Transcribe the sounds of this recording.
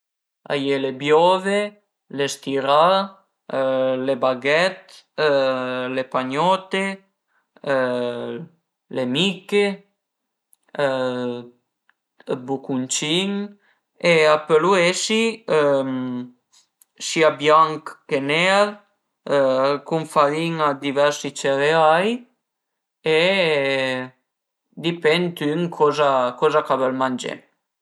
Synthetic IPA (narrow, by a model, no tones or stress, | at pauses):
a̰jelebjɔve | lest̪iɾa | lebaɡɛt̪ | lepaɲɔt̪e | lemike | bukunt͡ʃin | eapeluesim | siabjaŋkːenɛɾ | kuɱfaɾiŋad̪ivɛɾsit͡ʃeɾeaj | e | d̪ipɛnt̪yŋkʰɔzakɔzakavɛlmand͡ʒḛ